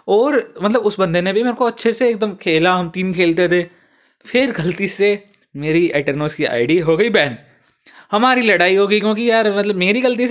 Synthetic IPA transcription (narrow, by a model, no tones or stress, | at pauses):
ɔːɾmɐt̪ləbʊsbɐ̃nd̪ʱenẽbʱimeːɾkoɐtːʃʰeseeːk̚d̪əmkʰeːlaɦɐmt̪iːnkʰeːlt̪et̪eː | fʰɪɾɡɐlt̪ise | meːɾiɛːʈəɾnoːskia̰ːɪɖiɦoːɡɐibɛːn | hɐmaːɾilɐɽaːiɦoːɡɐikjõːkijaːɾmɐt̪ləbmeːɾiɡɐlt̪̬is